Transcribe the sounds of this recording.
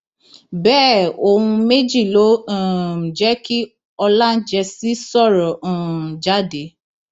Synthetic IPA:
bɛː˦˨o˧hũ˧me˦d͡ʒi˦˨lõ˨˦˨d͡ʒɛ˦ki˦ | ɔ˧lã˦d͡ʒɛ˧si˦sɔ˦˨ɾɔ̃˨d͡ʒa˦de˨˦

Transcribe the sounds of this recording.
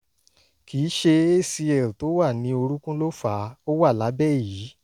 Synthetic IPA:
kʰiː˨˦ʃe˧e˦˨si˧ɛ˨to˨˦wa˦˨nĩ˧˦o˧ɾũ˦kũ˦lo˦fa˨˦o˦wa˦˨la˨˦bɛ˦˨jiː˨˦

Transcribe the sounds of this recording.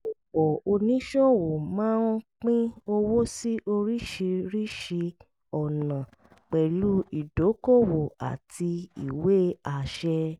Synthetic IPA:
o˨k͡pɔ˨o˧nĩ˦ʃɔ˦wo˨mãː˦n˦k͡pĩ˦o˧wo˦si˦ʔo˧ɾi˦ʃi˧ɾi˦ʃi˧ | ɔ˨nã˨ | k͡pɛ˨lu˦i˨do˨˦ko˦˨wo˨a̰˨tʰi˧ḭ˨we˦a˨ʃɛ˧

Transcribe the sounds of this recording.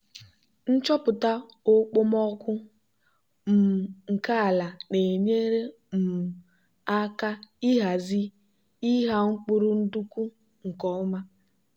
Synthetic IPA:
n̩˦t͡ʃɔ˦pʊ˨ta˦ | ʊ˦k͡pʊ˦mɔ˦kʷʊ˦ | m̩˨ŋ̩˨ka˦a˨la˨ne˨ɲe˦ɾe˦ | m̩˨ | a˦ka˦i˦ɦa˨zi˦ | i˦ɦa˦ŋ͡m̩˦k͡pʊ˦ɾʊ˦n̩˦du˦ku˦ | ŋ̩˨kɔ˨˦ma˦

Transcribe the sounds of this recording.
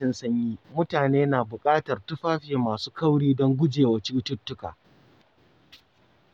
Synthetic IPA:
ɪ˨nsɐ˦ɲjiː˦mʊ˦taː˨neː˦naː˨bʊ˨kʼaː˦tɐ˨rtʊ˦ɸaː˦ɸe˨maː˨suː˦kɐ˦wɽiː˦dɔ˦ŋɡʷʊ˦d͡ʒeː˨wɐ˨t͡ʃi˦tʊ˦tːʊ˦ka̰ː˨

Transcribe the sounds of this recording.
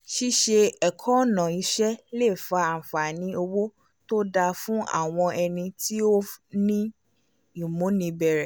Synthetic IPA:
ʃi˦ʃe˧ɛ˨kʰɔ̃˦˨nã˨i˨˦ʃɛ˦le˦˨fa˧a˨fa˨nĩ˨˦o˧wo˦ | to˦da˧fũ˦ʔa̰˦˨w̃ɔ̃˧ɛ˧nĩ˧ti˦o˦nĩ˦ | i˦˨mũ˨˦nĩ˧bɛ˦˨ɾɛ˨

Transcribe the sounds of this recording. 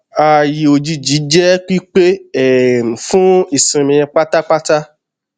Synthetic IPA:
a˨ji˨o˨d͡ʒi˧d͡ʒi˨˦d͡ʒɛ˦k͡pi˦k͡pe˦ɛ˦˨fũ˦i˦˨sĩ˨mĩ˧j̃ɛ̃˧k͡pa˦ta˦k͡pa˦ta˦

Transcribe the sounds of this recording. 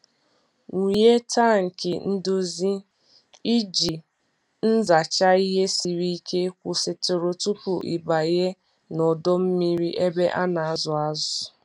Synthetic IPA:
ŋu˨je˦ta˦ŋ̩˨kɪ˨n̩˦dʊ˦zi˦ | i˦d͡ʒi˨ | n̩˦za˨t͡ʃa˦i˦ɦe˦si˨ɾi˦i˦ke˦kʷʊ˨sɪ˨tʊ˨ɾo˨tu˦pʊ˨ʔḭ˨ba˨ɣe˦ | nɔ˨dɔ˦m̩˦mi˦ɾi˦ʔe˦be˦ʔa˦na˨a˨zʊ˨a˦zʊ˨

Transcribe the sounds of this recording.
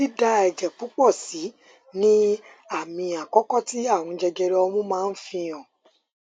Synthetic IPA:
i˦da˧ɛ˨d͡ʒɛ˨k͡pu˨˦k͡pɔ˦˨si˨˦ | nĩ˦ | a˦˨mĩ˧a˨kɔ˦kɔ˦ti˦a˦˨w̃ɔ̃˧d͡ʒɛ˧ɡɛ˧ɾɛ˧ɔ˧mũ˦mãː˦˧n̩˦fĩ˧ɔ̃˨

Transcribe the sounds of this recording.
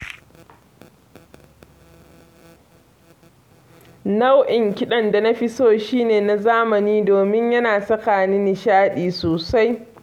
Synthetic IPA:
na˦wʔɪ˨ŋkʲɪ˦ɗɐ˦nda˨nɐ˦ɸi˦soː˦ʃiː˦neː˨na˨zaː˦mɐ˨niː˦doː˨mɪ˦ɲjɐ˦naː˨sɐ˦kaː˨nɪ˦nɪ˨ʃaː˦ɗiː˨soː˨sa˦j

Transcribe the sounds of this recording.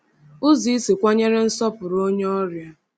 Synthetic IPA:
ʊ˦zi˨˦i˦si˨kʷa˦ɲe˦ɾe˦n̩˦sɔ˦pʊ˨ɾo˦ɲe˦ɔ˦ɾja˦

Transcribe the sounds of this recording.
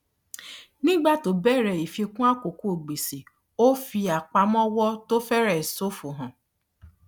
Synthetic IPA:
nĩ˦ɡ͡ba˦to˨bɛ˦˨ɾɛ˨i˨fi˧kũ˦a˦ko˨ku˦o˨ɡ͡bi˨si˨ | o˦fi˧a˨k͡pa˨mɔ˦wɔ˦to˦fɛ˦ɾɛ˨so˦fu˨ɦɔ̃˨

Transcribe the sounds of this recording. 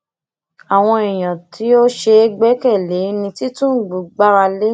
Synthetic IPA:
a˨w̃ɔ̃˧i˨j̃ã˨ti˦o˦ʃe˧˦ɡ͡bɛ˦kɛ˦˨le˨˦nĩ˧ti˦tũ˦˨ɡ͡bu˨˦ɡ͡ba˦ɾa˧le˦

